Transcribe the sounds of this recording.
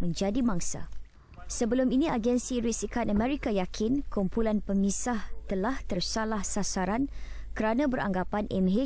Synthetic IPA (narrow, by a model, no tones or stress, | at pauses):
mə̃ɲd͡ʒadimãŋsa̰ | səbəlʊminĩaɡɛnsiɾisikanəmɛɾikajakʰɪnkumpulanpəmisaht̪əlaht̪ərsalahsasaɾan | kəɾanãbəɾa̰ŋɡapanʔɛmɦe